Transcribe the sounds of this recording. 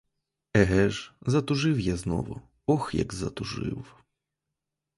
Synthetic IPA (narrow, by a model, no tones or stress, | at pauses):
ɛɦɛʒzɐt̪ʊʒɪwjaznɔ̰ʋʊ̰ | ɔxjɐ̰ɡzɐ̰t̪ʊʒɪ̰w